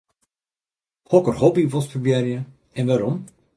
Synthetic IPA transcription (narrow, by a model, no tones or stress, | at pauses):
hɔkərhɔbiʋɔsfrbjɛrjə | ɛnʋaɾɔm